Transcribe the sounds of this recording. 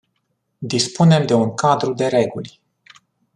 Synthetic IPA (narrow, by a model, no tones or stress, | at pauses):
d̪ispune̞md̪e̞uŋkad̪ɾud̪e̞ɾe̞ɡulʲ